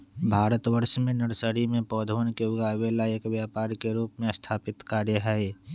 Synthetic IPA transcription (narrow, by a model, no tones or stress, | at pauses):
bʱaːɾət̪ʋəɾʃmẽnɐɾsəɾimẽpɔːd̪ʱoːnkeʊɡaːʋeːlaeːkʋjaːpaːɾkeɾuːpmẽɐst̪ʰaːpɪt̪kaːɾjəɦɛe